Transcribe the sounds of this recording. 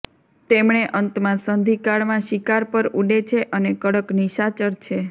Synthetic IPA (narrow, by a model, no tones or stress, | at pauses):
t̪emɳeʔənt̪mãsənd̪ʱikaɭmãʃikaɾpəɾuɖet͡ʃʰeʔənekəɽəkniʃat͡ʃəɾt͡ʃʰe